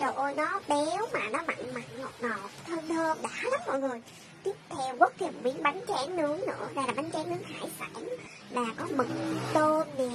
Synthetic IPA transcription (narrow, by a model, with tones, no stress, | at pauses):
t͡ɕə˨˩wʔo˧jnɔ˨˦ɓɛ˨˦wmaː˨˩nɔ˨˦ma̰˧˨ŋma̰˨ŋlo˨˩t̚nɔ˨˩t̪ʰəː˧nt̪ʰəː˧mɗa̰ː˧˥la˦˥mɔ̰˧˨jŋɨ˨˩j | t̪i˦˥əp̚t̪ʰɛ˧wkə˦˥t̚k̚ki˨˩˨wḭ˧˦˥əŋɓa˨˦jŋt͡ɕɛː˨˦ŋnɨ˨˦əŋnɨ̰˧˥əlaː˧˩laː˨˩ɓa˨˦ŋt͡ɕɛː˨˦ŋnɨ˨˦əŋhaː˧˩jfa̰˧˥n | laː˨˩kɔ˨˦mɨ˨˩ŋ̚t̪o˧nvi˨˩